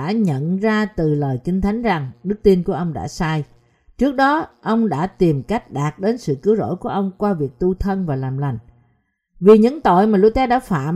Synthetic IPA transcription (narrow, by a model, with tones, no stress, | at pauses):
a̰ː˧˥ɲə̰˧˨nzaː˧t̪ɨ˨˩ləː˨˩jkï˧ŋ̟t̪ʰa˨˦jŋ̟za˨˩ŋɗɨ˦˥k̚t̪i˧nku˧˩əʔə˧wŋ͡mɗa̰ː˧˥saː˧j | t͡ɕɨ˦˥ək̚ɗɔ˨˦ʔə˧wŋ͡mɗa̰ː˧˥t̪i˨˩mka˦˥jk̟̚ɗaː˨˩t̚ɗe˨˦nsɨ̰˧˨kɨ˨˦əwzo̰˧˥jku˧˩əʔə˧wŋ͡mkwaː˧vi˨˩ək̚t̪u˧t̪ʰə˧nvaː˨˩laː˨˩mla˨˩jŋ̟ | vi˨˩ɲɨ̰˧˥ŋt̪o̰˧˨jmaː˨˩lu˧t̪ɛ˧ɗa̰ː˧˥fa̰ː˧˨m